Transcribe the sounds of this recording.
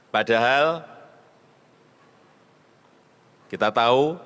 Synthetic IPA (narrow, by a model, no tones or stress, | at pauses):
pad̥a̤ɦal | kit̪at̪au